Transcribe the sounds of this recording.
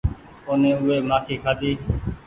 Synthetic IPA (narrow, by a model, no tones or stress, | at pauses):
oːnẽːʊːeːmãːkʰiːkʰaːd̪iː